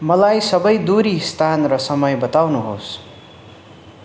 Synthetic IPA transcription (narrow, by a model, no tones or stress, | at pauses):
mʌlajsʌbʌjd̪uɾist̪ʰanrʌsʌmʌjbʌt̪awnuɦo̰s